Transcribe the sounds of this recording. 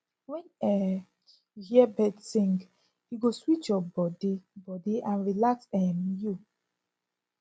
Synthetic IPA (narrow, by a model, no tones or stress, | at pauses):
wɛ̃nɛ | hiɛbɛdsĩŋɡ | hiɡoswit͡ʃjɔbɔdibɔdiãnɹilaksɛmju